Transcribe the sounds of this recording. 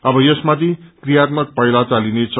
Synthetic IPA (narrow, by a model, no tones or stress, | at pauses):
ʌbʌjʌsmat̪ʰikrijat̪̚mʌk̚pʌjlat͡salinet͡sʰʌ